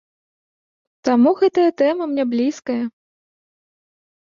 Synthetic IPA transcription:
t̪amuɣɛt̪ɐjɐt̪ɛmɐmnʲɛblʲiskɐjɐ

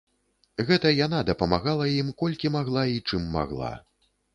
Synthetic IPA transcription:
ɣɛt̪ɐjanad̪ɐpɐmaɣalˠɐjimkɔlʲkʲimaɣlˠait͡ʂɨmːa̰ɣlˠa̰

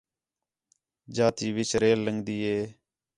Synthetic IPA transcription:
d͡ʒaːt̪iːʋɪt͡ʃɾeːlːəŋɡd̪iːɦeː

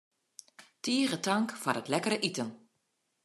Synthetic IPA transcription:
tiəɣətaŋkfarətlɛkəɾəʔitən

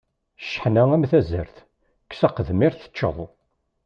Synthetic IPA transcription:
ʃːə̥ħnææmθæzə̰ɾθ | ksæqəðmɪɾθə̥t͡ʃːə̰ðˤ

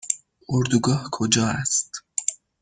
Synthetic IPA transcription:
ʔoɾd̪uɡɒːhkʰod͡ʒɒːæst̪

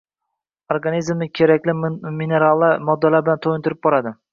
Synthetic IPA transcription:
oɾɡanizmnɪkʲʰe̞ɾakʲlɪmine̞ɾalˠːamɒd̪ːalaɾbɪlant̪ʰojɪnt̪ʰʊɾɪp̚bɒɾad̪ɪ

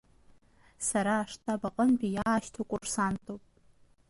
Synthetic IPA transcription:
saɾaːʂtʰabaqʼənpʲʼijaːʃtʰokʷʼʊrsantʼopʼ

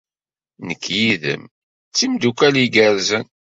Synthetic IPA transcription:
nəkʰːjiðə̰m | t͡sːimd̪ukæliɡəɾzən

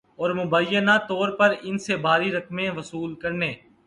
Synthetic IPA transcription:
ɔːɾmʊbəjənat̪ɔːɾpəɾɪnsebʱaːɾiɾəkmẽʋəsuːlkəɾneː

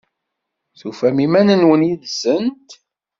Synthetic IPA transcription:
θufæmimænənwənjiðzənt̪

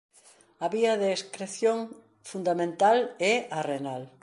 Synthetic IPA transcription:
ɐβiɐðeːskɾeθjoŋ | fund̪amẽnt̪alɛarenal

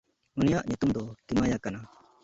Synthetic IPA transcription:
unijaʔɲut̪umd̪ɔk̪imajakana

